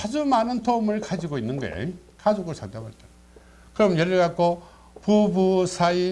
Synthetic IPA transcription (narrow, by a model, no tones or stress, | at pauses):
ad͡ʑumanɯntʰoumɯɭkad͡ʑiɡoinːɯnɡḛ | kad͡ʑoɡɯɭsʰaŋdaba̰ɭt͈e | kɯɾʌmnjeɾɯɭɡak͈ʰo | pubusʰai